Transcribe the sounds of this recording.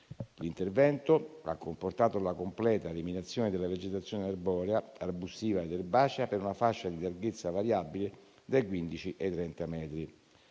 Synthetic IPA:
lint̪ervɛnt̪ʊa̰kːomport̪aːt̪olakomplɛːt̪aeliminat̪sːjoːnɪd̪elːaved͡ʒet̪at̪sːjoːnɪarbɔːɾeaabusiːvaed̪erbaːt͡ʃapeɾunafaʃːad̪ilarɡet̪sːavaɾjabile | d̪ajkwind̪it͡ʃiʔet̪ːɾɛnt̪amɛːt̪ɾi

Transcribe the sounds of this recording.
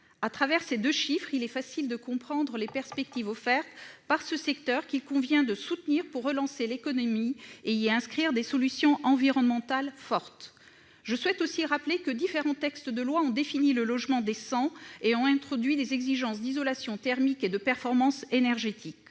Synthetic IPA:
at̪χavɛʁsed̪øʃifχilɛfasild̪əkɔ̃pχɑ̃d̪ʁəlepɛʁspɛk̚t̪ivɔfɛʁt̪paʁsəsɛk̚t̪œʁkilkɔ̃vjɛ̃d̪əsut̪niʁpuʁːəlɑ̃selekɔnɔmieiɛ̃skχiʁd̪esɔlysjɔ̃ʔɑ̃viʁɔnmɑ̃t̪alfɔʁt̪ | ʒəswɛt̪osiʁaplekəd̪ifeʁɑ̃t̪ɛkst̪d̪əlwaɔ̃d̪efiniləlɔʒmɑ̃d̪esɑ̃eɔ̃ɛ̃t̪χɔd̪ɥid̪ezɛɡziʒɑ̃sd̪izɔlasjɔ̃t̪ɛʁmiked̪əpɛʁfɔʁmɑ̃senɛʁʒet̪ʰik

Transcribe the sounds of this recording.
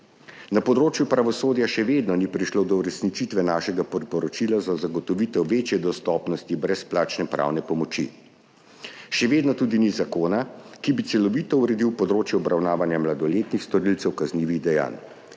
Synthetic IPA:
napɔd̪ɾoːt͡ʃjupɾaʋɔsoːd̪jaʃɛʋeːd̪nɔnipɾiʃlod̪ɔuɾɛsnit͡ʃit̪ʋɛnaːʃɛɡapɔɾpɔɾɔt͡ʃilazazaɡɔt̪ɔʋit̪ɛwʋeːt͡ʃjɛd̪ɔst̪ɔːpnɔst̪ibɾɛsplaːt͡ʃnɛpɾa̰ːwnɛpɔmɔt͡ʃḭ | ʃɛʋeːd̪nɔt̪ud̪inizakoːnakibit̪sɛlɔʋit̪ɔuɾɛd̪iwpɔd̪ɾoːt͡ʃjɛɔbɾawnaːʋanjamlad̪ɔleːt̪nixst̪ɔɾilt̪sɛwkazniːʋiɣd̪ɛja̰ːn

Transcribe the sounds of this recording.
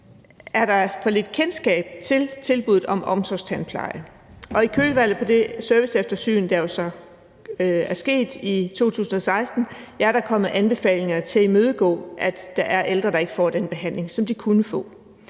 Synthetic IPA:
æɐɾ̥ɑ̈fɒ̽le̝d̥kʰensɡ̥ɛ̰ːb̥̚t͡sʰe̝lt͡sʰe̝lb̥uð̩ˠɒ̽mʔɒ̽msʰɒst͡sʰænpʰlɑ̈ɪə | ʔɒ̽ikʰøːlʋæl̰ð̩ˠpʰɒ̽d̥e̝sɶɐʋisefd̥ɐsy̰ːn̩d̥ɑɐjo̝sɒ̽ | æɐsɡ̥e̝̰ːd̥it͡sʰo̝̰ːt͡sʰṵːsn̩ɒ̽sɑ̈ɪsd̥n̩jɑɐɾɑ̈kʰɒ̽m̰ð̩ˠænb̥e̝fɛ̰ːle̝ŋɐt͡sʰe̝limøːð̞ˠəɡ̥ɔ̰̽ːʔæd̥ːɑ̈ʔæɐʔeld̥ʁɐɾ̥ɑ̈e̝ɡ̥əfɒ̰ːd̥enb̥e̝ɦæn̰le̝ŋsɒ̽md̥ikʰunəfɔ̰̽ː

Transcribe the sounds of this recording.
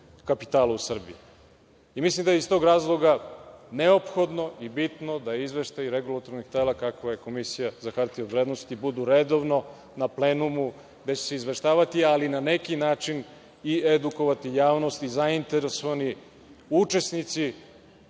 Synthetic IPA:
kapit̪aːlausr̩biiː | mislimd̪ajeist̪o̞ɡɾaːzlˠo̞ɡane̞o̞pxo̞d̪no̞ʔibit̪no̞d̪ajeizʋe̞ʃt̪ajɾeɡulˠat̪oɾnixt̪elakakʋaje̞ko̞misijazakaɾt̪iod̪ʋɾeːd̪no̞st̪ibud̪uɾed̪o̞ʋno̞ | naple̞ːnumu | ɡd̪et͡ɕeseizʋe̞ʃt̪aːʋat̪ialinane̞kinaːt͡ʃin | ied̪uko̞ʋat̪ijaːʋno̞st̪izaint̪e̞ɾesoʋani | ut͡ʃe̞snit̪si

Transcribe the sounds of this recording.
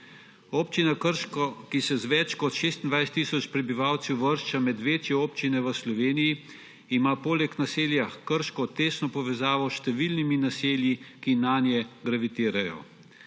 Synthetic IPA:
oːpt͡ʃinakəɾʃkɔkisɛzʋɛt͡ʃkɔt̪ʃeːst̪ind̪ʋajst̪ːiːsɔt͡ʃpɾɛbiʋaːwt̪sɛwʋəɾʃt͡ʃamɛd̪ʋeːt͡ʃjɛoːpt͡ʃinɛʋəslɔʋeːnijiː | maːpoːlɛknaseːljakəɾʃkɔt̪eːsnɔpɔʋɛzaːʋɔʃt̪ɛʋilniminaseːljikinaːnjɛɡɾaʋit̪iːɾajɔ̰

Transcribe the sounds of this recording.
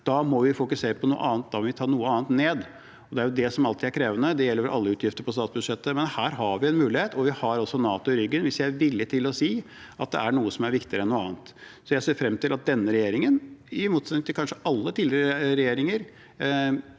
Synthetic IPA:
d̪̥ɑmɔʋɪfʊkʉseːɾəpʰɔnuːə̰ʔɑːnt̪̚d̪ɑʋɪt̪ʰɑːɳuːəɑːnt̪neːd̪ | ɔd̪ɛæɾjʊd̪ɛsɔmɑlt̪ʰɪæɾkʰɾeːʋənəd̪ɛjɛlːəɾʔɑlːəʉːt̪ʰjɪft̪əɾpʰɔst̪ɑːt̪sbʉd̪ʂɛt̪ːəmɛnhæːɾɦɑɾʋɪɛnmʉːlɪheːt̪ʰɔʋɪhɑɾɔsɔnɑːt̪ʊɪɾʏɡːənʋɪsjæɪʋɪlːət̪ʰɪlɔsiː | ʔɑt̪̚d̪ɛ̰ʔæɳuːəsɔmæɾʋɪkt̪ɪəɾəɛnuːəɑːnt̪sɔjæɪseːɾfɾɛmt̪ɪlɑt̪̚d̪ɛnːəɾɛjeːɾɪŋənɪmuːt̪sɛt̪nɪŋt̪ɪkɑnʂəʔɑlːət̪ʰiːlɪɾəɾɛjeːɾɪŋəɾ

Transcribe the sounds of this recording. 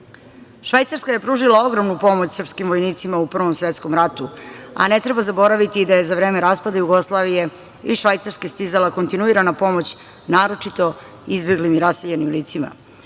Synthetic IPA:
ʃʋajt̪saɾskaje̞pɾuːʒilao̞ɡɾomnupo̞mot͡ɕsr̩pskimʋojniːt̪simaupr̩ʋo̞msʋet̪sko̞mɾat̪ua̰ne̞t̪ɾe̞bazabo̞ɾaʋit̪id̪aje̞zaʋɾe̞ːmeɾaːspad̪ajuɡo̞slˠaːʋije̞ | iʃʋajt̪saɾskest̪izalako̞nt̪inuiɾanapo̞mo̞t͡ɕ | naːɾo̞t͡ʂit̪o̞ | izbe̞ɡlimiɾaseʎenimliːt̪sima̰

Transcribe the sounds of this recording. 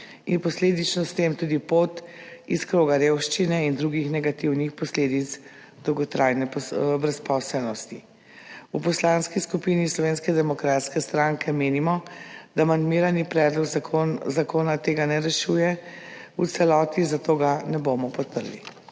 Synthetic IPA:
inpɔsleːd̪it͡ʃnɔst̪eːmt̪uːd̪ipoːt̪iskɾoːɡaɾeːwʃt͡ʃinɛind̪ɾuɡixnɛɡat̪iwnixpɔsleːd̪it̪s | d̪̥ɔwɡɔt̪ɾajnɛpɔbɾɛspɔsɛlnɔst̪i | upɔslanskiskupinislɔʋeːnskɛd̪ɛmɔkɾat̪skɛst̪ɾaŋkʰɛmeːnimɔd̪amand̪miːɾanipɾɛːd̪lɔkzakoːnat̪eːɡanɛɾɛʃuːjɛ | utsɛlɔːt̪izat̪oːɡanɛbomɔpɔt̪̚pəɾlḭ

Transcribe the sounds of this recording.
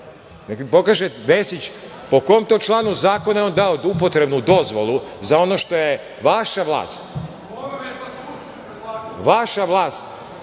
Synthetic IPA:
neklipo̞kaːʒeʋesit͡ɕ | po̞ko̞omt̪ot͡ʃlˠaːnuzaːko̞najeond̪aod̪upo̞t̪ɾe̞bnud̪o̞zʋo̞lˠuzao̞no̞ʃt̪o̞je | ʋaʃaʋlˠa̰ːst̪ | ʋaʃaʋlˠaːst̪

